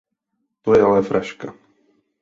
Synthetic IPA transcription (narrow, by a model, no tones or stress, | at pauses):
t̪ojɛalɛfɾʔaʃka